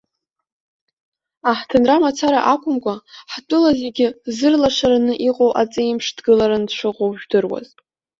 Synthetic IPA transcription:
aħtʰɨnramat͡sʰaɾaʔakʷʰʼʊmkʷʼaħtʷʼʊlaze̞ɡʲɪzɨrlaʂaɾanɨʔiqʼowʔat͡sʼɨimʂdɡɨlaɾandʂʷʰɨqʷʼowʒᶣdɨrwa̰z

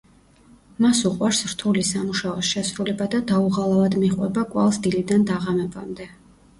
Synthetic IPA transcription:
masuqʼwaɾsɾt̪ʰulisamuʃaɔsʃɛsɾulɛbad̪ad̪auʁalˠavad̪miχʼwɛbakʼwa̰lˠsd̪ilid̪and̪aʁamɛbamd̪ɛ

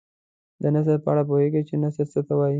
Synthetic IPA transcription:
d̪ənas̬əɾpəaɽap̬oheɡat͡ʃenasəɾt͡sət̪awɑji

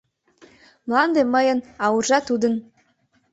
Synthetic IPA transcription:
mlˠɑnd̪eməjɤ̆nɑwɤrʒɑt̪ud̪ə̆n

